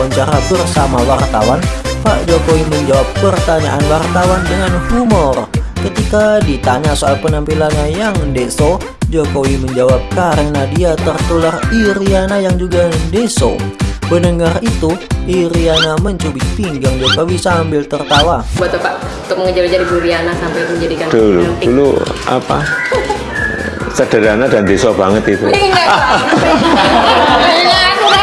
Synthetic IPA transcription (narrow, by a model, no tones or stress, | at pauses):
waɲt͡ʃaɾabərsamawart̪a̰wanfa̰ʔd͡ʒokowiməɲd͡ʒawap̚pərt̪aɲa̰ʔanwart̪awandəŋanhumɔrkət̪ikadit̪aɲasoalpənampilanɲajaŋdeso | d͡ʒokowiməɲd͡ʒawap̚kaɾəŋnadiat̪ərt̪ulariɾianajaŋd͡ʒuɡadeso̰bənəŋarit̪uiɾianaməɲt͡ʃubɪt̪iŋɡaŋd͡ʒokawisaːmbɪlt̪ərt̪awabuat̪̚bapaʔ | unt̪ʊk̚məŋəd͡ʒalid͡ʒadibuɾianasampajməɲd͡ʒadikandulṵulṵa̰pa̰ | sədəɾanadandesobaŋət̪it̪uŋa